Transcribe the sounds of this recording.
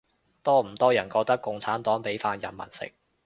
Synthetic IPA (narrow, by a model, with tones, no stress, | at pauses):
t̪ɔː˥m̩˨˩t̪ɔː˥jɐ˨˩nkɔː˧k̚t̪ɐ˥kːʊ˧ŋt͡sʰaː˨˥nt̪ɔː˨˥ŋpe˨˥jfaː˧njɐ˨˩nmɐ̰˨˩nsɪ̰˨k̚